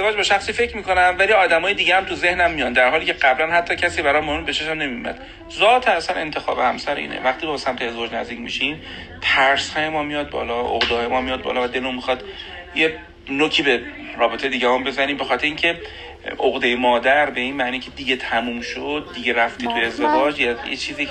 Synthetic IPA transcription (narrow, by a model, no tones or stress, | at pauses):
zevɒːd͡ʒbɒʃæxsiːfe̞cʰmiːkʰo̞næmvæliːɒːd̪æmɒːjed̪iːɟehæmt̪ʰuze̞hnæmːijɒnd̪æɾɦɒːliːcʰeɢæblænhæt̪ʰːɒːcʰæsiːbæɾɒmːɒɾumbeʃeʃæmne̞mijomæ̰d̪̥ | zɒːt̪ʰæsæne̞nt̪ʰexɒ̰ːbehæmsæɾḭːnḛvæχt̪iːbɒsæmt̪ʰeezevɒːd͡ʒnæ̰zd̪iːcmḭʃim | t̪ʰæɾshɒːjemɒːmijɒːd̪̚bɒ̰ːlɒʔo̰ɣd̪ehɒːjemɒːmijɒːd̪̚bɒ̰ːlɒvæd̪elomixɒːd̪ | je | nocʰiːbe̞ | ɾɒːbe̞t̪ʰeje̞d̪iːɟæɦɔmbe̞zæɾiːmbexɒːt̪ʰeɾeiːŋcʰe̞ | ʔoɣd̪ejemɒːd̪æɾbe̞iːnmæːniːcʰe̞d̪iɟet̪ʰæmuːmʃod̪̚ːiɟeɾæft̪iːt̪ʰue̞zd̪e̞vɒːd͡ʒjejḛt͡ʃʰiːziː